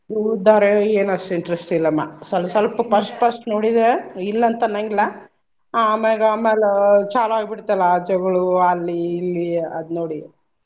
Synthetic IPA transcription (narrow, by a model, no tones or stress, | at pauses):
d̪ud̪aːɾeeːnɐsiɳʈɾesʈilːɐmːa̰sɐlsɐlpɐpɐsʈpɐsʈnoːɽid̪eilːɐnt̪ɐnɐŋɡilːɐ | ameɡaːmeːlet͡ʃaːluaːɡbiɽt̪alːd͡ʒɐɡɐɭuɐlːiːlːiɐd̪noːɽi